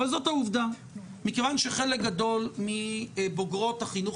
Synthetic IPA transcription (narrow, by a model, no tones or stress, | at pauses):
valzo̞t̪hauvd̪a | mikevanʃeχe̞lek̚ɡad̪o̞lmiboɡʁo̞t̪haχinuχ